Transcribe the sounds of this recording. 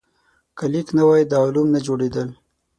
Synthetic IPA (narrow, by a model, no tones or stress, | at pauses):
kəliknawajd̪ɑlumnad͡ʒoɽed̪əl